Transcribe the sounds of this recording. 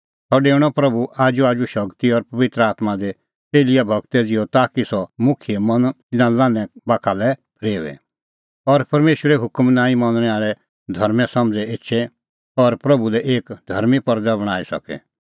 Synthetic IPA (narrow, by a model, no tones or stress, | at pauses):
sɔɖeːɽ̃ɔpɾɐbuʔaːd͡ʒuaːd͡ʒuʃɐɡt̪iɔɾpɐʋɪt̪ɾəaːt̪mad̪e | teːlɪjabʱɐɡt̪ɛd͡zɪɔt̪aːkisɔmʊkʰiemɐnt̪ɪnãlãːnɛ̃baːkʰalɛpʰɾeːʋɛ̰ | ɔɾpɐɾmeːʃwəɾɛɦʊkəmnãːĩmɐ̃nnɛ̃aːɭɛ | d̪ʱɐɾmɛ̃sɐmd͡zɛɪtːʃʰɛ | ɔɾpɾɐbulɛʔeːkd̪ʱɐɾmipɐɾd̪abɐɽ̃aːisɐ̰kɛ̰